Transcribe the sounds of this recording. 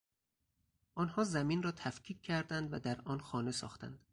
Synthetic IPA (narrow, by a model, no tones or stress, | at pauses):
ʔɒːnhɒːzæmiːnrɒːt̪ʰæfcʰiːcʰcʰːæɾd̪ænd̪væd̪æɾʔɒːnxɒːne̞sɒ̰ːxt̪æ̰nd̪̥